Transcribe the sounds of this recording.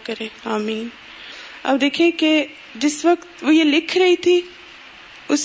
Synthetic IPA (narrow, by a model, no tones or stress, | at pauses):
kɐɾẽːaːmiːn | ɐ̰bd̪eːkʰẽke | d͡ʒɪsʋəkt̪ʋojelɪkʰɾɐɦit̪ʰi | ʊs